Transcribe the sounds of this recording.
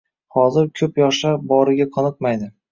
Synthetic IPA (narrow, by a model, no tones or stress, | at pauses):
hɒzɪɾkʰɵpjɒʃlaɾbɒɾɪɡʲaqʰɒnɨq̚majd̪ɪ